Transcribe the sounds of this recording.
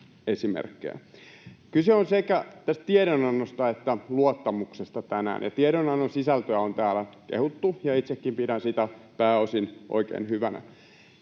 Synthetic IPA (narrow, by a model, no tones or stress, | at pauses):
esimḛrkːḛjæ̰kyseonsekæt̪æst̪t̪ieɾonɑnːost̪ɑet̪ːæluot̪ːɑmuksest̪ɑt̪ænæ̰ːnjɑt̪ieɾonɑnːonsisælt̪øæont̪æːlækḛhut̪ːujɑit̪sekːimpidænsit̪æpæːosinʔo̰ikḛːnhyʋænæ̰